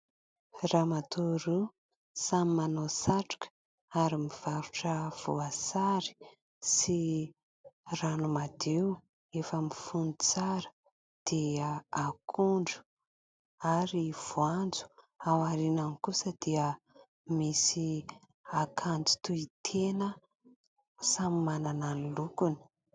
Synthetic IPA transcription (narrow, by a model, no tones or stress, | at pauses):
ramat̪uɾu | samimanosaʈ͡ʂu̥kə̥ | aɾimiv̥aɾuʈ͡ʂəv̥uasaɾi̥ | si | ranumad̪ew | efəmifunt͡saɾə̥ | d̪̥iəakʰuɳɖ͡ʐu̥ | aɾiv̥uand͡zu̥ | awaɾinanikusəd̪iə | misi | akʰand͡zu̥t̪uit̪ʰenə | samimanananilukuni̥